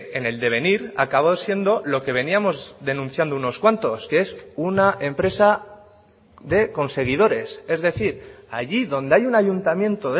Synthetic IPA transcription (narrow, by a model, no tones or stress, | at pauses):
ene̞ld̪e̞β̞e̞niɾa̰kaβ̞osje̞nd̪o̞lo̞ke̞β̞e̞niamo̞zðe̞nũn̟θjand̪ouno̞skwant̪o̞skee̞sunaʔe̞mpɾe̞sa | ðe̞ko̞nse̞ɣ̞ið̞o̞ɾe̞se̞zðe̞θiɾa̰ʝiðo̞nd̪e̞ajunaʝunt̪amjẽ̞nt̪o̞ðe